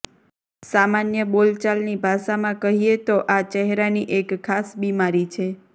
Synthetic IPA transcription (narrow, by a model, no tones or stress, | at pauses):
samanjəbolt͡ʃalnibʱaʃamãkəɦiet̪oʔat͡ʃəɦɾaniʔekʰːasbimaɾit͡ʃʰe